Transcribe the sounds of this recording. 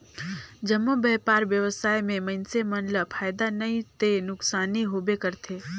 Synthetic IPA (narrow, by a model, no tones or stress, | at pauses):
d͡ʒəmːobɛːpaːɾʋjəʋəsaːjmẽmənsemənləpʰaːjd̪anɐĩt̪enʊksaːniɦoːbekəɾt̪ʰeː